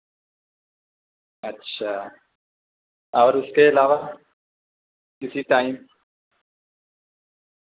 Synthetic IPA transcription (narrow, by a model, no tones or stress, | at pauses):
ɐtːʃʰaː | ɔːɾʊskeɪlaːʋa | kɪsiʈaːɪm